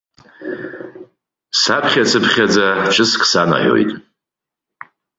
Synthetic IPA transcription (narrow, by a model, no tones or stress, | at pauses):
sapʰχʲat͡sʰɨpʰχʲad͡zaʂʰʼɨskʰʼsana̰ʕo̞̰jtʼ